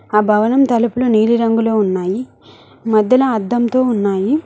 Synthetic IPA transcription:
aːbʱɐʋɐnɐmt̪ɐlɐpuluniːliɾɐŋɡuloːunːaːji | mɐd̪ːɐlɐːd̪ːɐmt̪o̞ːunːaːji

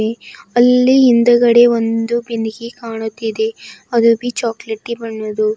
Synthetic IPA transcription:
eɐlːiːnd̪ɐɡɐɽe̞ʋond̪ubiniɡikaːɳut̪ːid̪e̞ɐd̪ubit͡ʃaːkleʈːibɐɳːud̪u

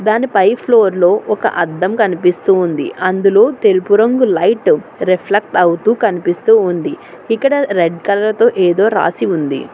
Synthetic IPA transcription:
d̪aːnipɐjpʰlo̞ːɾlo̞ːʔɔkɐ̰ʔɐd̪ːɐmkɐnipist̪uːnd̪ḭʔɐnd̪ulo̞ːt̪e̞lupuɾɐŋɡulɐjʈɾepʰlɐk̚ʈɐwt̪uːkɐnipist̪uːund̪i | ikːɐɽɐɾeɖkɐlɐlɐt̪o̞ːʔeːd̪o̞ːɾa̰ːsiund̪ḭ

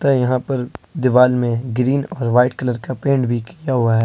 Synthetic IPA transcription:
t̪ajɐɦãpɐɾd̪ɪʋaːlmẽɡɾiːnɔːɾʋaːɪʈkɐləɾkapẽːɳɖbʱikijaɦʊaɦɛː

